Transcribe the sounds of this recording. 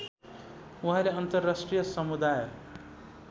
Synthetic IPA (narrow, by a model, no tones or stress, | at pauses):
uɦãɾeʌnt̪ʌrːasʈrijʌsʌmud̪aj